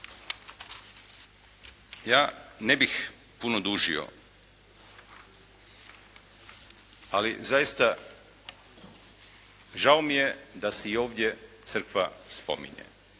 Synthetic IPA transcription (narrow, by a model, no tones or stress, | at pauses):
jaːnebix | punod̪uːʒḭo̰ | alḭzajist̪a | ʒaomije̞d̪aseio̞ːʋd̪ʲje̞t̪sər̩kʋaspo̞̰mḭɲḛ